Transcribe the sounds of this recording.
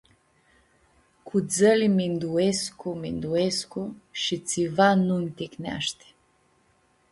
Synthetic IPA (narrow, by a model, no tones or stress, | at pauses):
kʰud̪zəlimind̪uɛskʊmind̪uɛskoʃit̪sivanunʲt̪ɛknʲa̰ʃt̪ɛ̥